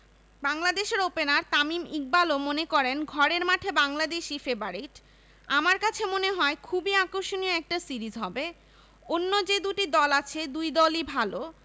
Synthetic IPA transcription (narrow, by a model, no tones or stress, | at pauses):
baŋlad̪eʃeɾopenaɾt̪amimik̚balomonekɔɾenɡʱɔɾeɾmaʈʰebaŋlad̪eʃifebaɾiʈ | amaɾkat͡ɕʰemoneɦɔekʰubiakoʃonioɛk̚ʈasiɾizɦɔbe | onːod͡ʑed̪uʈid̪ɔlat͡ɕʰed̪ujd̪ɔlibʱalo